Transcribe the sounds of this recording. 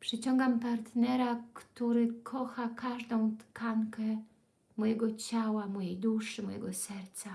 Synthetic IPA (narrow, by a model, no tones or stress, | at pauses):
pʂɘt͡ɕɔŋɡampaɾt̪nɛɾakt̪uɾɘkʰɔxakaʐd̪ɔ̃w̃t̪kaŋkɛ | mɔjɛɡɔt͡ɕawamɔjejd̪uʂɘmɔjɛ̰ɡɔsɛɾt̪sa